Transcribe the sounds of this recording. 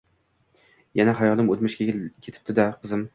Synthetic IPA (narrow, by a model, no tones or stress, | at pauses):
janaɦajɒlˠɪmot̪mɪʃkʲakʲʰet̪ʰɪ̥p̚t̪ɪd̪aqʰɨzɪm